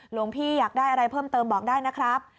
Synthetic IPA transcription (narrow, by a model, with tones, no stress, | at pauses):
lu˧˩˦əŋpʰiː˥˩jaː˨˩k̚daː˥˩jʔa˧ɾa˧jpʰɤː˥˩mt̪ɤː˧mbɔː˨˩k̚daː˥˩jna˦˥kʰɾa˦˥p̚